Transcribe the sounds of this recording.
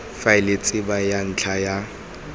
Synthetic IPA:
faɪlet͡sʼɪbajan̩t͡ɬʰaja

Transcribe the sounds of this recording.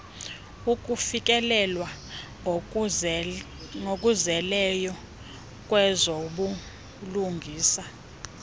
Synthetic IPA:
uk̬ʼufik̬ʼɛlɛlwa | ŋok̬ʼuzɛlɛjɔ | k̬ʼwɛzoɓu | luŋɡʱiːsa

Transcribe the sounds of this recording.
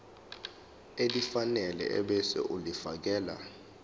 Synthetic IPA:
edifanɛlɛ̰ɛ̰ɓɛsɛ̰ʔulifak̬ɛːla̰

